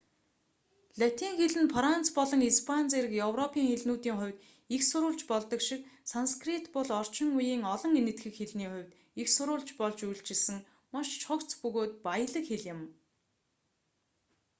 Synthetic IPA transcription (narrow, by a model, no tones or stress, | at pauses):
ɮat̪iːŋxeɮɘ̆npʰrant͡spɔɮɞ̆ŋispʰant͡seɾɘ̆kjɵwrɔpʰiːŋxeɮnuːt̪iːŋχʊ̟wʲt̪ | ixsʊɾʊːɮt͡ɕpɔɮt̪ɞ̆kʃɪk̚sanskrit̪pɔɮɔr̥t͡ɕɪ̆ŋujiːŋɔɮɞ̆ŋenɘ̆t̪ɡɘ̆kxeɮniːχʊ̟wʲt̪ | ixsʊɾʊːɮt͡ɕpɔɮt͡ɕujɮt͡ɕɪ̆ɮsɘ̆ŋ | maʃt͡ɕʰʊkt͡spɵɣoːt̪̚pajə̆ɮə̆kxeɮjɪ̆m